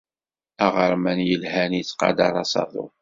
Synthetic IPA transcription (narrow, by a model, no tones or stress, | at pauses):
æʁəɾˤmænjəlhænjit͡sːqɑ̰d̪ɑ̰ɾˤɑsɑ̰ðˤʊ̰